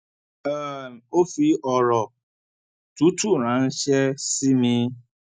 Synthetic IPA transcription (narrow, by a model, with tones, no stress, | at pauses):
ə˦˨n˨o˦fi˦ʔɔ˨ɾɔ˨ | tu˦tu˦ɾã˨˦n̩˦ʃɛ˦si˦mĩ˦